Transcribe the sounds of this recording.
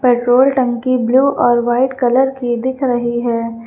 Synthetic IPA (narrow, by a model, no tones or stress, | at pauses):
peːʈɾoːlʈɐ̃ŋkibluːʔɔːɾʋaːɪʈkɐləɾkid̪ɪkʰɾɐɦiɦɛː